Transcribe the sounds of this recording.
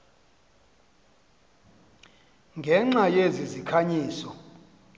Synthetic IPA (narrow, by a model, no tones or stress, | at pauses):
ŋɡʱɛŋ͡ǁajezizikʰaɲiːsɔ